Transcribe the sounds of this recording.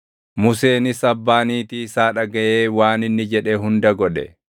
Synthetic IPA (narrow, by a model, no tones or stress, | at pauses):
mʊse̞ːnɪsɐbːaːniːt̪iɪsaːᶑɐɡɐjeːwaːnɪnːɪd͡ʒɛᶑɛɦʊnd̪ɐɡɔᶑɛ̰